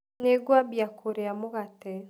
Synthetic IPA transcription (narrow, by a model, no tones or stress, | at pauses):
neɡwabjakʰoɾeamoɣatɛ